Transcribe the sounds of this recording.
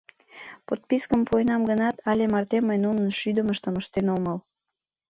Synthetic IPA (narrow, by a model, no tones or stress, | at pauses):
pot̪̚piskəmpojnɑmɡənɑt̪ʰɑlʲemɑrt̪eməjnunənʃyd̪əməʃt̪əməʃt̪enoməl